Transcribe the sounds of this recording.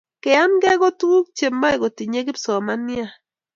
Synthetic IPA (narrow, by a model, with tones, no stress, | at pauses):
ke˨a˦nɡe˦ɡo˦t̪ɡu˦k̚t͡ʃe˨ma˦e˨ɡo˨t̪i˨ɲe˦ɡi˦pso˨ma˦ni˦a˦